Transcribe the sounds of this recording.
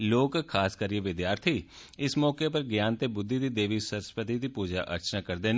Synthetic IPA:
loːkkʰaːskəɾieʋɪd̪jaːɾt̪ʰiː | ɪsmɔːkeːpəɾɡjaːnt̪eːbʊd̪ʱːid̪iːd̪eːʋiːsəɾspɾət̪id̪iːpuːd͡ʒa̰ːʔə̰ɾt͡ʃnaːkəɾd̪eːn

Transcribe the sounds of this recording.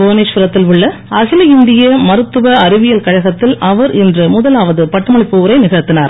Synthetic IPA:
boːneːʂpɪɾɐt̪ːɪlʋɯɭːɐɐɣɪlɐɪnd̪ɪjɐmɐɾɯt̪ːɯʋɐɐɾɪʋɪjɐlkɐɻɐɣɐt̪ːɪlʔɐʋɐɾɛndrɯmʊðɐlaːʋɐðɯpɐʈːɐmɐɭɪpːɯɐɾɐɪnɪɣɐɾt̪ːɪnaːɾ

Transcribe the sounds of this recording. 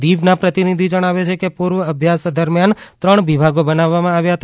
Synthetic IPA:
d̪iʋnapɾət̪inid̪ʱid͡ʒəɽ̃aʋet͡ʃʰekepuɾʋəəbʱjasd̪əɾmjant̪ɾəɳʋibʱaɡobənaʋːamãaʋjaɦət̪a

